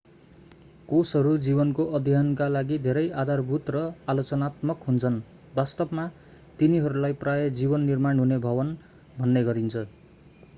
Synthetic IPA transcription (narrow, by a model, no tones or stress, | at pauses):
kosɦʌɾud͡zibʌnkoʔʌd̪ʱjʌnkalaɡid̪ʱeɾʌjad̪ʱarbʱut̪rʌalot͡sʌnat̪mʌkɦunt͡sʰʌn | bast̪ʌbma | t̪iniɦʌɾulajprajʌd͡zibʌnːirmaɳɦunebʱʌbʌn | bʱʌnːeɡʌɾint͡sʰʌ